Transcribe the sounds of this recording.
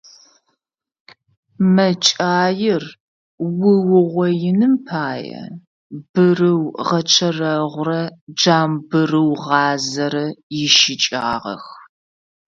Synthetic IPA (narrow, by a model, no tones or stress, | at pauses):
mɐt͡ʃʼaːjɪr | wʊwʊʁʷɔjɪnɨmpʰaːjɐ̰ | bɨrɨwʁɐt͡ʃʰɐrɐʁʷʊrɐd͡ʒaːmbɨrɨwʁɑːzɐɾɐjɪʃɪt͡ʃʼaːʁɐ̰x